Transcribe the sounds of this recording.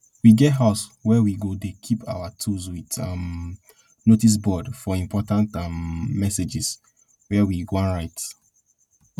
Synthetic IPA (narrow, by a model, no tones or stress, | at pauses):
wiɡɛtɦaswɛwiɡodekʰipʰa̰watʰuswitãm | notis̬bɔdfɔĩmpʰɔtãntãmːɛsed͡ʒis | wɛwiɡoãnɹaɪt